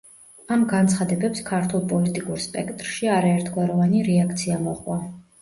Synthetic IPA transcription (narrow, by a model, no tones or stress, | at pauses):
amɡant̪sʰχad̪ɛbɛpskʰaɾt̪ʰulˠpʼɔlit̪ʼikʼuɾspʼɛkt̪ʼɾʃiaɾaɛɾt̪ʰɡwaɾɔvaniɾɛak̚ʰt̪sʰiamɔχwa